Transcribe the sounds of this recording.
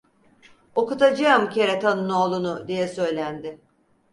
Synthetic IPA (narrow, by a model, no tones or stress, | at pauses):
o̞kut̪ad͡ʒaɯmcʰe̞ɾɛt̪ʰanunoːlˠunʊd̪ijɛsø̞jlʲænd̪ɪ